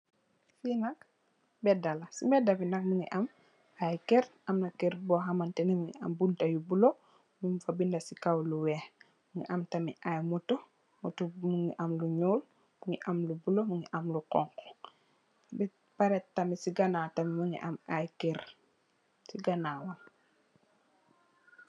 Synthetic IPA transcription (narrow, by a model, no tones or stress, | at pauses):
finak̚ | bɛdalasimɛdabinak̚muŋḭʔam | ajkeɾamnakeɾboɦamantɛnimuŋḭa̰mbuntajubulo | mimfabindasikawluweh | muŋḭʔamtamiʔajmuto | mutumuŋiʔamluɲuːl | muŋiʔamlubulomuŋiʔamlukɔ̰ŋkɔ̥ | bɛ | paɾettːamisiɡanaːtamimuŋḭʔamajkeɾ | siɡanaːwan